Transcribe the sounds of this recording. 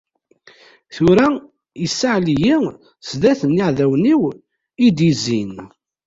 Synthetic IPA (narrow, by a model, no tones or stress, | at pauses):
θʊɾæ | isːaʕliji | sðæθənːiʕðæwniw | id̪izin